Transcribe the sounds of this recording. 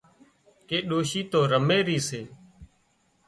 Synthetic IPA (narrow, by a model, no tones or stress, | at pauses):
keːɗoːʃiːt̪oːɾəmeːɾiːseː